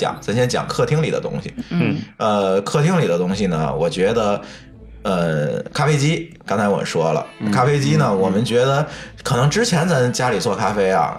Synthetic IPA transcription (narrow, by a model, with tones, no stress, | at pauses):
t͡ɕjɑ̰˨˩˦ŋsa˥nɕjɛ˥nt͡ɕjɑ̰˨˩˦ŋkʰɤ˥˩t̪ʰi˥ŋlḭ˨˩d̪ə̰˦t̪ʊ̰˥ŋɕḭ˨˩ə˧kʰɤ˥˩t̪ʰi˥ŋli˨˩d̪ə˦t̪ʊ˥ŋɕi˨˩nə̰˩wɔ˨˩t͡ɕɥɛ˧˥d̪ə˧ | ə˧kʰa˥fe˥ɪt͡ɕi˥kɑ˥ŋt͡sʰa˧ɪwɔ̰˨˩ə˦nʂwɔ˥lə̰˩kʰa˥fe˥ɪt͡ɕi˥nə˨wɔ˨˩mə˦nt͡ɕɥɛ˧˥d̪ə˧kʰɤ˨˩nɤ˧˥ŋʈ͡ʂɻ̩˥t͡ɕʰjɛ˧˥nt͡sa˥˩ɪt͡ɕja˥li˨˩t͡swɔ˥˩kʰa˥fe˥ɪɐ̰˨˩